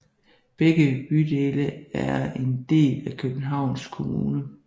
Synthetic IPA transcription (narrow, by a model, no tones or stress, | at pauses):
b̥eɡ̥əb̥yd̥e̝ːləæɐe̝nd̥e̝̰ːlækʰøb̥n̩ɦɑ̈ʊ̰nskʰo̝muːnə